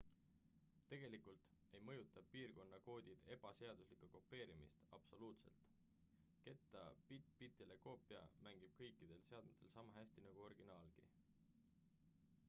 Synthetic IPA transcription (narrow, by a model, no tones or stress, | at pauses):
t̪e̞ɡ̥e̞likult̪ejmɤ̞jut̪ːˑɑpiːrko̞nːɑko̞ːd̪̥ʲid̪̥e̞b̥ɑse̞ɑd̪̥uslikːuko̞pːe̞ːɾimḭst̪ɑ̰b̥so̞luːt̪se̞̰lt̪ | ke̞t̪ːˑɑ̰pit̪pit̪ːˑeleko̞ːpːˑiɑ̰mæŋɡ̥ib̥̚kɤ̞jkːˑid̪̥e̞lse̞ɑd̪̥met̪ːˑe̞lsɑmɑɦæsʲt̪inɑɡ̥uo̞rɡ̥inɑːlɡ̥ḭ